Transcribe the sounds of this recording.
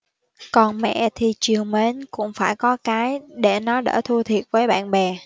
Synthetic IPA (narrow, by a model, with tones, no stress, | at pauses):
kɔ˨˩nmɛ̰˧˨t̪ʰi˨˩t͡ɕi˨˩əŋme˨˦nkʊ̰˧˥ŋ͡mfaː˧˩jkɔ˨˦kaː˨˦jɗe˧˩nɔ˨˦ɗə̰ː˧˩t̪ʰu˧t̪ʰi˨˩ət̚vəː˨˦jɓa̰ː˧˨nɓɛ˨˩